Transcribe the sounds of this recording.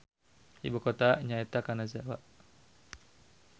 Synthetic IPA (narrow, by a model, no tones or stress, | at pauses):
ḭbukɔt̪aɲait̪akanazawaʔ